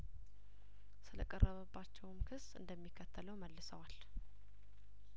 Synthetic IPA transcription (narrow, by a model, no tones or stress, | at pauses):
sɨlə̰kʼərːəβəbːat͡ʃːɛwmkʰɨsɨ̰nd̪əmːikʰːət̪ʰːələwməlːɨsəwal